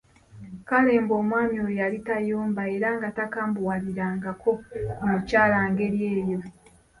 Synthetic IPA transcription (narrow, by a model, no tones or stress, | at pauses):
kale̞ːmbo̞ːmwaːmiojalitajoːmbae̞ɾaŋɡatakaːmbuwaliɾaːŋɡakʰo̞mucaːlaːŋɡe̞ɾje̞ːjo̞